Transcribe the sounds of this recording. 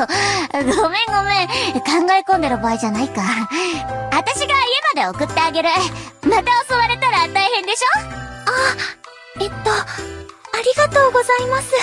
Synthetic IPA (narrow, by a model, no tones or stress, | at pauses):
ɡo̞mẽ̞ŋɡo̞mẽ̞kãŋɡaekond̪e̞ɾɯ̟baːiʑanaika | at̪aɕiɡaiebad̪e̞okɯ̟t̪ːe̞aɡe̞ɾɯ̟mat̪aoso̞βaɾe̞t̪aɾat̪aihẽ̞nd̪e̞ɕo̞ːa | et̪ːo̞ | aɾʲiɡat̪o̞ːɡo̞zaimasɨ